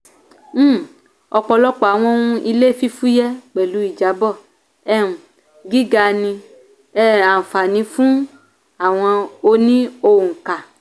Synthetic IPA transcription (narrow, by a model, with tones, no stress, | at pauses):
m̩̃˦˨ | ɔ˧k͡pɔ˧lɔ˦k͡pɔ˨a˨w̃ɔ̃˧˦wũ˧˦i˧le˦˨fi˦fu˦jɛ˦k͡pɛ˨lu˨˦i˦˨d͡ʒa˨˦bɔ˦˨ | ɛ˦˨ũ˨ | ɡi˦ɡa˧nĩ˧ | ɛ˦˨a˨fa˨nĩ˧fũ˦ | a˨w̃ɔ̃˧o˧nĩ˦o˧wũ˨ŋ̩˨ka˨